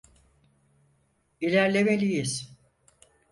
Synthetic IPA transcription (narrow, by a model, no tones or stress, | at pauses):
ilʲæɾlʲe̞melʲijiz̥